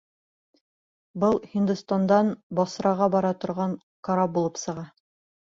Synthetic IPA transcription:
bɤlˠhind̪ust̪and̪ɑnbɑsɾɑʁɑbɑɾɑt̪ŏɾʁɑɴ | kɑɾap̚bulˠɤpsɤ̆ʁɑ

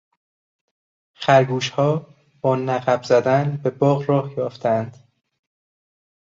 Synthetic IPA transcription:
χæɾɡuːʃhɒː | b̥ɒːnæɣæbzæd̪ænbe̞bɒːɣɾɒːhjɒːft̪ʰæænd̪̥

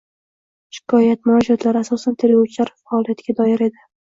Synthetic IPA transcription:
ʃɪ̥kʰɒjat̪mʊnɒd͡ʒat̪ʰlaɾɪasɒsant̪ʰelɡawt͡ʃʰlaɾfaɒlˠijat̪ɡʲad̪ɒjɪɾe̞d̪ɪ

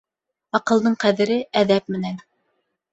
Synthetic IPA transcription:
ɑqɤ̆lˠd̪ɤɴqæðɘ̆ɾɘʔæðæp̚mɘ̆næn

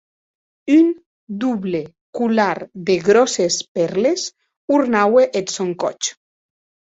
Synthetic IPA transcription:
yn | d̪uβle | kulaɾðeɣɾɔsespɛɾles | uɾnaweʔet̪soŋkɔ̰t͡ʃ

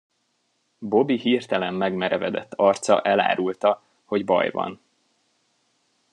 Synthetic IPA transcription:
bo̞bihirt̪ɛlɛmːɛɡmɛɾɛvɛd̪ɛt̪ːɒrt̪sɒ̰ʔɛla̰ːɾult̪ɒ | ho̞ɟbɒ̰jvɒ̰n

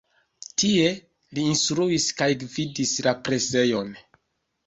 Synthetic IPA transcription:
tie̞ | liːnstɾuiskajɡvidislapɾe̞se̞jo̞n

